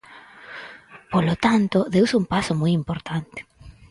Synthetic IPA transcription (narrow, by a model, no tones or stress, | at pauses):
polot̪ant̪oðewsumpasomujimpoɾt̪ant̪e̥